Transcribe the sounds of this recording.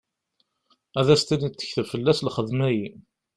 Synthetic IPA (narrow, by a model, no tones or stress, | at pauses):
æðæst̪init͡s̪ːə̥çθfəlːæslχəðmæji